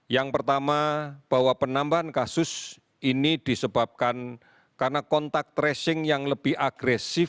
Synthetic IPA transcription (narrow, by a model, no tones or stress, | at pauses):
jaŋpərt̪amab̥a̤wapənambaɦankasʊs | inid̪̥isəb̥ap̚kan | karənakɔnt̪ak̚t̪ɾɛsɪŋjaŋləb̥ɪhaɡ̥ɾɛsɪf